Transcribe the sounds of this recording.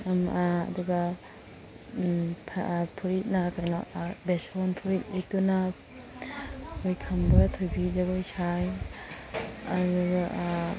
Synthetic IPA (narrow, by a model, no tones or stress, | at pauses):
ama̰ːduɡɐ | pʰpʰuɾit̚nakajnɔbesonpʰuɾit̚lituna | ojkʰɐmbɐtʰojbid͡ʒaɡojsʰaj | ɐduɡa